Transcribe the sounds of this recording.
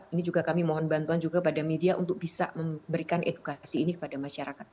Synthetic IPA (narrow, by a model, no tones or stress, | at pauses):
inid͡ʒuɡakamimɔɦɔnbant̪uand͡ʒuɡakəpadamediaʔunt̪ʊk̚b̥isa̰məmbəɾikanʔḛdukasiːnikə̥padamaʃaɾakat̪̚